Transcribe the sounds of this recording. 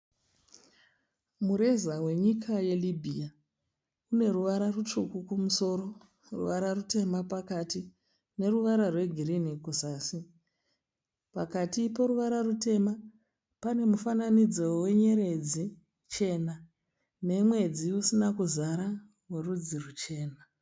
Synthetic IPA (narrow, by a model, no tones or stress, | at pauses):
muɾe̞zawe̞ɲikʰaje̞libʱia | une̞ruʋaɾarut͡ʂukukumuso̞ːɾo̞ | rṵʋaɾarute̞mapakati | ne̞ruʋaɾarwe̞ɡʱiɾinikuzaːsi | pakatipo̞ɾuʋaɾarute̞ma | pane̞mufananid͡zowe̞ɲe̞ɾe̞d͡zi | t͡ʃe̞na | ne̞mwe̞d͡ziusinakuzaɾa | werud͡zirut͡ʃe̞ːna